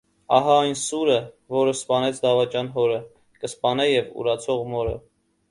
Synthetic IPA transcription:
ɑɦɑɑjnsuɾə | vɔɾəspɑnɛt͡sʰd̪ɑvɑt͡ʃjɑnɦɔɾə | kəspɑnɛjɛvṵɾɑt͡sʰɔʁmɔɾə̰

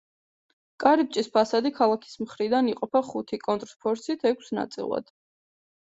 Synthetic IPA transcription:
kʼaɾip̚t͡ʃʼispʰasad̪ikʰalˠakʰi̥smχɾid̪aniqʼɔpʰaχut̪ʰikʼɔnt̪ʼɾspʰɔɾsit̪ʰɛkʷʰsna̰t̪sʼḭlˠa̰d̪̥

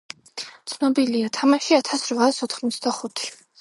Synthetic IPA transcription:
t̪sʰnɔbiliat̪ʰamaʃiat̪ʰasɾvaːsɔt̪ʰχmɔt̪sʰd̪aχut̪ʰi̥

